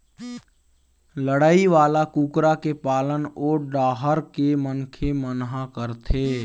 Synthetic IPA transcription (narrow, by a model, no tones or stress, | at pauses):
ləɽaːiʋaːlakuːkɾakepaːlənoːɾɖaːɦəɾkemənkʰemənɦakəɾt̪ʰeː